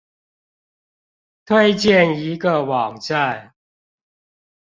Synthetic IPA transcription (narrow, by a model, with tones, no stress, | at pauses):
t̪ʰwe˥˧ɪt͡ɕjɛ˥˨ni˧˦ɡə˨wɑ˨˩ŋt͡sa˥˨n